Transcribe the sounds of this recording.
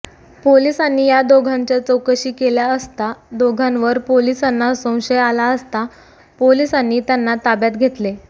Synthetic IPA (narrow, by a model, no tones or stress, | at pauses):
polisanːiːjad̪oɡʱaɲt͡ɕjat͡səwkəɕiːkeljaəst̪ad̪oɡʱãnʋəɾpolisanːasə̃w̃ɕəjalaəst̪a | polisanːiːt̪janːat̪abjat̪ɡʱet̪le